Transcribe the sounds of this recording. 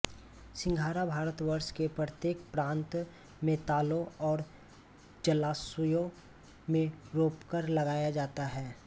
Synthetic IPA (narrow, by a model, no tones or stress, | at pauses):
sɪ̃ŋɡʱaːɾabʱaːɾət̪wəɾʃkepɾət̪jeːkpɾãːnt̪ | mẽːt̪aːlõɔːɾ | d͡ʒɐlaːsəjõ | mẽɾoːpkəɾlɐɡaːjad͡ʒaːt̪aɦɛː